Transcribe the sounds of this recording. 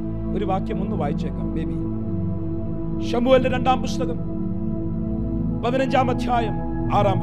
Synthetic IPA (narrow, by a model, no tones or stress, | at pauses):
oɾuʋaːkjɐmunːuʋaːjit͡ɕːekːa̰ːmːeːbi | ʃɐmuːeldɐɾeɳɖaːmpust̪ɐkɐm | pɐðɐnɐɲd͡ʑaːmɐd̪ʱjaːjɐm | aːɾaːmb